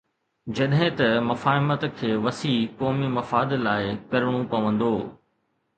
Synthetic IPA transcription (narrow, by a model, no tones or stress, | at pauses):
d͡ʑɐɗɦɪ̃t̪ɐmɐfaːɪmət̪kʰeːʋɐsiːkɔːmimɐfaːd̪laːɪkɐɾəɽ̃opɐʋə̃nd̪oː